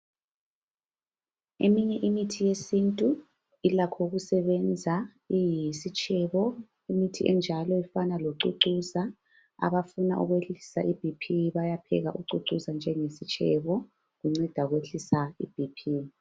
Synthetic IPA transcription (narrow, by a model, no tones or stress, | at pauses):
ḛmiɲɛʔimitʰijesintʼu | ilakʰɔɣusɛβɛnd͡zʱa | ijisit͡ʃʼɛβɔ | imitʰiʔɛnd͡ʒʱalɔifanaloǀuǀusa | a̰βafunaʔṵɣweɬi̥saʔib̥ʱipʰiβajapʰɛ̰ɣaʔuǀuǀusand͡ʒʱɛŋesit͡ʃʼʰɛβɔ | ɣuŋ͡ǀɛd̥ʱaɣweɬisaḭb̥ʱipʰi